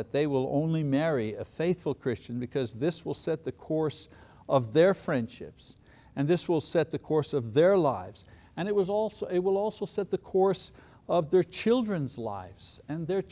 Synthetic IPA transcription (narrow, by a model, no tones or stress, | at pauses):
ɨt̪̚ðeɪwɪlˠõ̰ʊ̃nlimɛɹiɨfeɪθfl̩ˠkʰɹ̥ɪst͡ʃɨ̃n̩bɨkʰʌzðɪswəlˠsɛt̪̚ðɨkʰɔɹs | ʌvðə˞fɹɛ̃nd̥ʃɪ̰ps | ɨ̃nðɪswəlˠsɛt̪̚ðɨkʰɔɹsʌvðə˞laɪvz̥ | ɨ̃ñɨt̚wʌzɔlˠsoʊɪt̚wəlˠɔlˠsoʊsɛt̪̚ðɨkʰɔɹs | ʌvðə˞t͡ʃʰɪlˠdɹɨ̃nzla̰ɪvz̥ɨ̃nðə˞